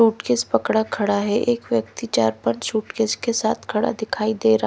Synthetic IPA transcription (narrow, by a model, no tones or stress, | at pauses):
uːʈkɪspɐkɽakʰɐɽaɦɛʔeːkʋjək̚t̪it͡ʃaːɾpəɳʃuːʈkɪskesaːt̪ʰkʰɐɽa̰d̪ɪkʰaːid̪eːɾa